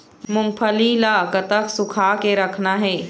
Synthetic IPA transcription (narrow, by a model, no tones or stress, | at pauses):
mʊ̃mpʰəlilakət̪əksʊkʰakeɾɐkʰnaɦɛː